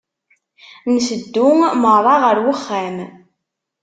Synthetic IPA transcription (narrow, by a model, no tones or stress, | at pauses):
nsəd̪ːʊŋməɾˤɑʁəɾwəχːæm